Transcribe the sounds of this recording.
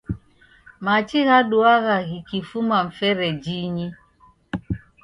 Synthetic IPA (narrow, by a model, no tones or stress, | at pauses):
mat͡ʃiɣaɗuaɣaɣikifumaɱ̩fɛɾɛd͡ʒiɲi